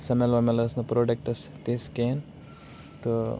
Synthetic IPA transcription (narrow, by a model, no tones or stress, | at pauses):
sɐmelʋɐmelɐsnɐpɾoːɖek̚ʈɐst̪esken | t̪ɨ